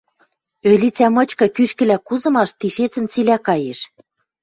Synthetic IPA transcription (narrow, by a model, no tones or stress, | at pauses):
ølʲit͡sæmɤ̆t͡ɕkɤ̆kyʃkɘ̆lækuzɤ̆mɑʃt̪iʃet͡sə̆nt͡silækɑjeʃ